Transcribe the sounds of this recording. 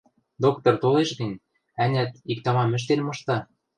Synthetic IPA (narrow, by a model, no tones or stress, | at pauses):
d̪ok̚t̪ŏrt̪oleʃɡɘ̆nʲ | ænʲæt̪ik̚t̪ɑmɑmɘ̆ʃ̬t̪enmɤ̆ʃt̪ɑ